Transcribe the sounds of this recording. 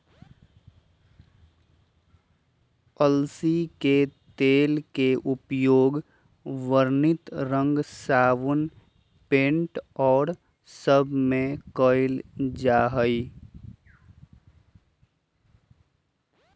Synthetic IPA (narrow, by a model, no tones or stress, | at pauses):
əlsiket̪eːlkeʔʊpjoːɡ | ʋəɾnɪt̪ɾə̃ŋɡsaːʋən | pẽːɳʈɔːɾ | səbʱmẽkəɪld͡ʒaːɦəi